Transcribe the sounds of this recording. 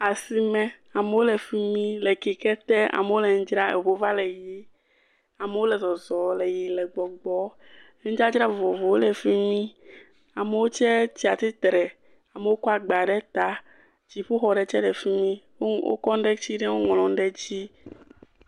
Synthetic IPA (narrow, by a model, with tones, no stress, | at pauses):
a˨si˨mɛ̃˨ | a˨me˨˦wo˦lɛ˨fi˦mĩ˦lɛ˨ki˨kɛ˦t̪ɛ˦a̰˨me˨wo˦lɛ˨ŋ̩˦d͡ʒɾa˦e˨vo˨va˦lɛ˨ji˦ | a˨me˨wo˦lɛ˨zɔ˨zɔ˨lɛ˨ji˨lɛ˨ɡ͡bɔ˨ɡ͡bɔ˦ | d͡ʒa˦d͡ʒɾa˦˨vo˨vo˨wo˦lɛ˨fi˦mĩ˦ | a˨me˨wo˦t͡ʃɛ˦t͡ɕi˦a˨t̪i˦t̪ɾɛ˨ | a˨me˨wo˦kɔ˦a˨ɡ͡ba˨ɖɛ˦t̪a˨ | d͡ʑi˨ɸu˦xɔ˨ɖɛ˨t͡ʃɛ˦ɖɛ˨fi˦mĩ˦ | wo̰˦kɔ˦n˦ɖɛ˦t͡ɕi˦ɖɛ˦wo˦ŋɔ̃˨lɔ̃˨n˦ɖɛ˦d͡ʑi˦